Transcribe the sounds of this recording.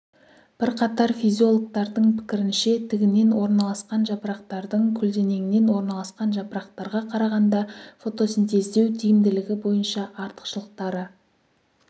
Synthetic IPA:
b̥ɪɾqʰɑt̪ɑɾfizʲijo̞lˠok̚t̪ɑɾd̪əɴpʰɪ̥kʲɪɾɪnʃe̞t̪ʰɪɡʲɪne̞nwo̞ɾnɑlˠɑsqɑnʒɑpɾɑqt̪ɑɾd̪əɴkʲʰʏld̪e̞ne̞ŋɪne̞nwo̞ɾnɑlˠɑsqɑnʒɑpɾɑq̚t̪ɑɾʁɑqʰɑɾɑʁɑnd̪ɑfo̞t̪o̞sent̪e̞zd̪e̞wt̪ʰijɪmd̪ɪlɪɡʲɪbo̞jənʃɑʔɑɾt̪ə̥qʃəlˠəq̚t̪ɑɾə

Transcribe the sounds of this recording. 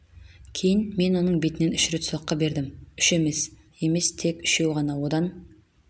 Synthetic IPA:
kʲʰe̞jɪnme̞nwo̞nəɴbe̞t̪ɪnenʏʃɾet̪swɑqːɑbe̞ɾd̪ɪmʏʃe̞mes | e̞me̞st̪ʰe̞kʏ̥ʃe̞wʁɑnɑwod̪ɑn

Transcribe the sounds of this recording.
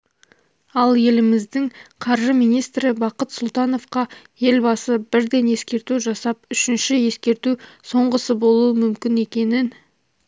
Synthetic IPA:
ɑlˠje̞lɪmɪzd̪ɪŋqʰɑɾʒəmijnijst̪ɾɪbɑqət̪sʊlˠt̪ɑno̞fqɑ | je̞lbɑsəbɪɾd̪e̞nje̞skʲe̞ɾt̪uʒɑsɑp̚ʏʃɪnʃɪje̞skʲe̞ɾt̪uso̞ɴʁəsəbo̞lˠuəmʏmkʲɪne̞kʲe̞nɪn

